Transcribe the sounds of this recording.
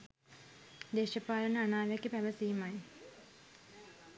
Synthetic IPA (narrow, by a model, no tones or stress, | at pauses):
d̪eːɕɐpːaːɾɐnɨɐɳaːʋɐkʲːɨpɐʋɐsijumaːji